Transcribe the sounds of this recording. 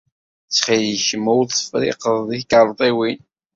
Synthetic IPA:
t͡sːχiləçəmːuwθfɾɪ̰qəðˤðiθkəɾˤt̪ˤiwin

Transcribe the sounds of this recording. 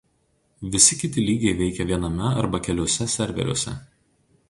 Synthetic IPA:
ʋʲɪsʲɪkʲɪt̪ʲɪlʲiːɡʲɛɪʋʲɛɪkʲɛʋʲiɛnɐmʲɛɐɾbɐkʲɛlʲoːsʲɛsʲɛɾʲʋʲɛ̰ɾʲoɔsʲɛ̰

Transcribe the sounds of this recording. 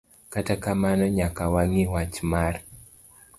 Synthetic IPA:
katakamanɔɲakawaŋɪwat͡ʃmar

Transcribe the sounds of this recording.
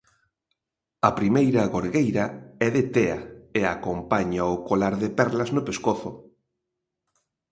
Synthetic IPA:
ɐpɾimejɾɐɣoɾɣejɾɐɛðɪt̪ɛɐ̰eakompaɲaʊkolaɾðepɛɾlɐznʊpeskoθʊ

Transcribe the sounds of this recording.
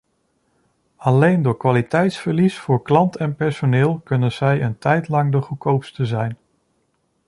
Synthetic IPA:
ɑlejndʊːɹkʋaːlitɛjtsfəɹlisfʊːɹklɑntɛnpɛɹsonɪːlˠkɵnənz̥ɛjəntɛjtlɑŋdəχəkowpstəzɛjn

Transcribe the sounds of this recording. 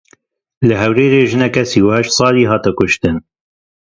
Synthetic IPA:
lɨɦɛwɾeːɾeːʒɨnɛkɛsiːwɛʃsˤɑːliːɦɑːt̪ɛkʊʃt̪ɨn

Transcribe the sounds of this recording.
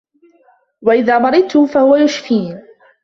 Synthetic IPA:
waʔɪðaːmɑɾɪd̪̚t̪ːʊfahʊwajʊʃfiːn

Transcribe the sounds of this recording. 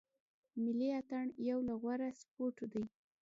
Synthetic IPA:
mɪliat̪aɳjawlaɣwaɾaspoʈd̪əj

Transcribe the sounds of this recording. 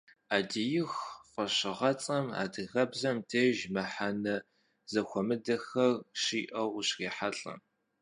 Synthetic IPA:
aːdijɪxqʷɐɕɪʁɐt͡sʼɐma̰ːdɨɣɐbzɐmtʰeːʒmɐħanɐ | zɐxʷɔmɨdɐxɐrɕiːʔɐwɕreːħaɬʼɐ̰m

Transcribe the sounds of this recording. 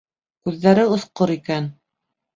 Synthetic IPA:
kʉðːæɾɘŏθqoɾikæn

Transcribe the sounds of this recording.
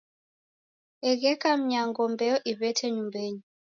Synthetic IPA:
ɛɣɛkam̩ɲaŋɡɔmbɛɔʔiβɛtʰɛɲumbeɲi

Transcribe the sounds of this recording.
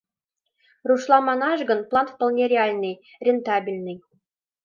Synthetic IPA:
ruʃlˠɑmɑnɑʒɡɤ̆nplˠɑnfpɤ̆lˠnʲerʲeɑlʲnɤj | rʲent̪ɑbʲilʲnə̆j

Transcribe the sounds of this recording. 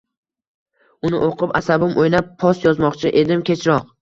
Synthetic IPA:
ʊnɪʔoqʰɨpasabɪmʔojnapʰːɒsjɒzmɒqt͡ʃʰɪʔe̞d̪ɪmkʲe̞t͡ʃʰɾɒq̚

